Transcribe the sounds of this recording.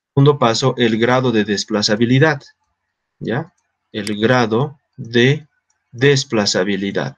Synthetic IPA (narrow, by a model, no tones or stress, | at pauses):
und̪opaso̞ʔe̞lɣɾaðo̞ðeðesplasaβiliðað | ja | elɣɾaðo | ðe̞ | ðesplasaβiliða̰ð